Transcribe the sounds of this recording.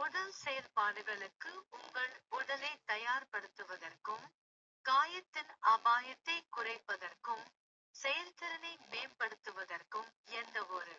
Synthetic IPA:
mʊðɐlsɛjɐlpaːɽɯɣɐɭɯkːɯʊŋɡɐɭʊɽɐlɐɪt̪ːɐjaːɾpɐɽɯt̪ːɯʋɐðɐrkɯm | kaːjɐt̪ːɪnɐbaːjɐt̪ːɐɪkʊrɐɪpːɐðɐrkɯm | sɛjɐlt̪ɐɾɐnɐɪmeːmpɐɽɯt̪ːɯʋɐðɐrkɯmɛndɐɔɾɯ

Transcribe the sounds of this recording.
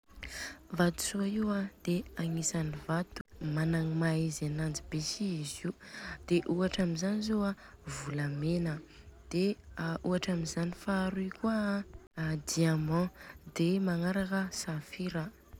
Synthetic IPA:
vat̪u̥suaiwad̪̥eaŋisanivat̪u̥manaŋimaizanand͡zibesiiziud̪̥eʔuaʈ͡ʂamizanizoa | vulamenə | d̪̥eʔuaʈ͡ʂamizanifaɾuikua | d̪iamɑ̃d̪emaŋaɾakəsafiɾə

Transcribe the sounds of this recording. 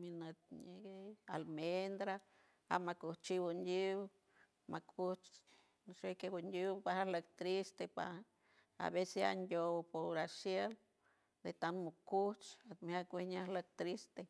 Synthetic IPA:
minet̪̚ɲeɡealmend̪ɾa | a̰makut͡ʃibundiw | makut͡ʃ | ʃekebundiwpahalak̚t̪ɾist̪epa̰ | a̰βesea̰ndʲopoɾasjel | d̪et̪anmukut͡ʃat̪mhakwehɲalak̚t̪ɾist̪e

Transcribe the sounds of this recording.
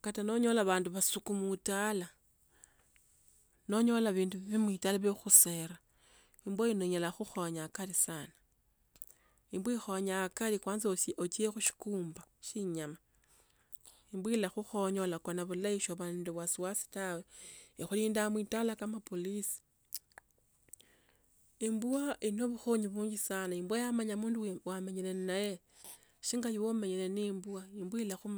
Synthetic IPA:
katano̞ɲo̞laβaːnduβasukumutala | no̞ɲo̞laβiːnduiβimwitalaβexuseɾa | imbwojinoɲolaxuxoɲakalisana | imbwixoɲakalikwaːnzoʔot͡ʃiexuʃi̥kuːmbaʃiɲama | imbwilaxuxo̞ɲo̞lakonaβulaiʃoβanduβwasuwasi̥taweixuliːndamwitalakamapolisi̥ | imbuaʔino̞βuxoɲiβuːɲɡisanaimbwajamaɲamuːnduwameɲile̞naje̞ | ʃiŋɡajiwomeɲelenimbuaimbwilaxum

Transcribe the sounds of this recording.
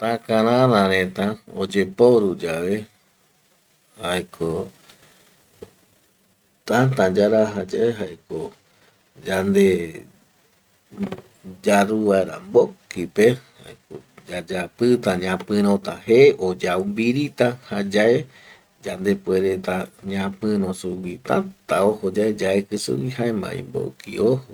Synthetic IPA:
t̪ãkãɾãɾãɾẽt̪ãod͡ʒepoɾud͡ʒaʋe | hajkʰo | t̪ãt̪ãd͡ʒaɾaɦad͡ʒaeɦaeko | d͡ʒand̪e | d͡ʒaɾuβaeɾa̰mbokipeha̰eko | d͡ʒad͡ʒapɨt̪ãɲãpɨ̃ɾ̃õt̪ãheʔod͡ʒawmbiɾit̪ahad͡ʒae | d͡ʒand̪epweɾet̪aɲãpɨ̃ɾõsuwit̪ã̰t̪aohod͡ʒaed͡ʒaekɨsɨ̰wihaemã̰ḭ̃mbo̰kḭoho

